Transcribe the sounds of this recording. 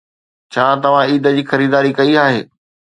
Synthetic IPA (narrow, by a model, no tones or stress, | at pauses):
t͡ɕʰãːt̪ɐʋ̤ãiːd̪ə̆d͡ʑiːxɐɾiːd̪aːɾikɐiaːɦeː